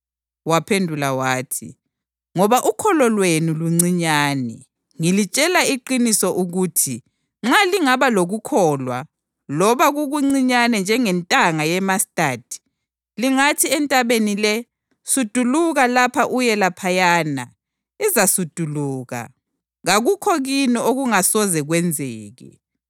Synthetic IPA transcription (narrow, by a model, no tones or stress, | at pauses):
wapʰendʱulawaːtʰḭ | ŋɔβaʔukʰɔlɔlwenuluŋ͡ǀiɲaːnɛ̰ | ŋilit͡ʃʼɛlaiǃinisɔʔuɣuːtʰi | ŋ͡ǁaliŋaβaloɣukʰɔːlwa̰ | lɔβaɣuɣuŋ͡ǀiɲanɛnd͡ʒʱɛŋɛntʼaŋajɛmastʼad̥ʱi̥ | liŋatʰiɛntʼaβenilɛ | sud̥ʱuluɣalapʰaʔujɛlapʰajaːna̰ | izasud̥ʱuluːɣa̰ | ɣaɣukʰɔɣinioɣuŋasɔzɛɣwɛnd͡zʱɛːɣɛ̰